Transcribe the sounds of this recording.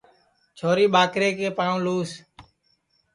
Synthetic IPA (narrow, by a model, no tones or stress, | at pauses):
t͡ʃʰoːɾiːɓaːkɾeːkeːpaːɳũːluːs